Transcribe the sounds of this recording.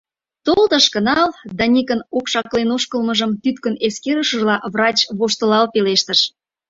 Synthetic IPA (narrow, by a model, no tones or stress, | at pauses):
t̪olt̪əʃkə̆nɑld̪ɑnʲikənokʃɑklenoʃkəlməʒəmt̪yt̪kəneskeɾəʃəʒlɑβrɑt͡ɕβoʃt̪ə̆lɑlpeleʃt̪əʃ